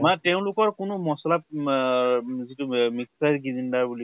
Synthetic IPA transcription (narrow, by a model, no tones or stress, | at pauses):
matɛʊ̃lʊkɔɹkʊnʊmɔsɔlap̚ | zitumiksajɹɡizindaɹbuli